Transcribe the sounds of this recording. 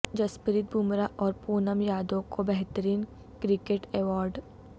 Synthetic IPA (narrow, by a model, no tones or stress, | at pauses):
d͡ʒɐspəɾit̪̚bʱumɾaʔɔːɾpuːnəmjaːd̪õkobɛɦt̪əɾiːn | kɾɪkeːʈeːʋɔːɾɖ